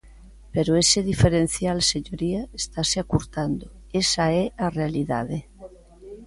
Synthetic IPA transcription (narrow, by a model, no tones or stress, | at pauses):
peɾoeseðifeɾen̟θjalseɲoɾiaest̪aseakuɾt̪and̪o | esaearealiða̰ðe